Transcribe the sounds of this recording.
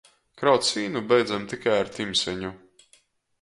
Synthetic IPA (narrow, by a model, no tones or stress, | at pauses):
kɾawt̪sviːnubɛjd̪zamt̪ikajaɾt̪imsʲɛɲu